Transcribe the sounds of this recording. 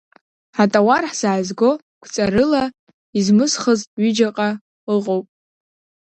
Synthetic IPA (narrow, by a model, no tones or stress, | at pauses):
ħatʼawarħz̥aːzɡo̞ | kʷʰt͡sʼaɾɨla | izmɨsχəztʼɥʏd͡ʒaqʼa | ɨqʼowpʼ